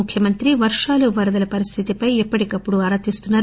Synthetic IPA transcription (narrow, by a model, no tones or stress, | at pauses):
ukʰjɐmɐnt̪ɾiʋɐɾʂaːluʋɐɾɐd̪ɐlɐpɐɾist̪ʰit̪ipɐjɛpːɐʈikɐpːuɽuɐɾɐt̪ist̪unːaːɾ